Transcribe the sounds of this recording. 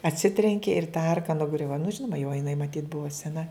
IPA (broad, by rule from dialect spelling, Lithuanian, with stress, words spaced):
ɐtʲˈsʲɪtʲrʲɛŋʲkʲɪ ɪr tɐ ˈɐrkɐ nʊˈɡrʲʊʋɐ nʊ ˈʒʲɪnoːmɐ jɛʊ jɪˈnɐɪ mɐˈtʲiːt ˈbʊʋɐ sʲɛˈnɐ